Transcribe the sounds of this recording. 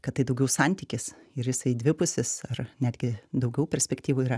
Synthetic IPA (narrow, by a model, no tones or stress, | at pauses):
kɐt̪̚tɐɪd̪ɐʊɡʲɛʊsɐnʲt̪ʲiːkʲɪsɪɾjɪsɐɪd̪ʲʋʲɪpʊsʲɪsɐrnʲæːd̪ʲɡʲɪd̪ɐʊɡʲɛʊpʲɛɾʲsʲpʲɛkt̪ʲiːʋuiːɾɐ